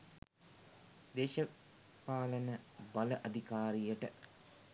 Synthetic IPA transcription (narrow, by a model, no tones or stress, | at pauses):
d̪eːʃə | paːlənəbɐləʔɐd̪ʱikaːɾijəʈə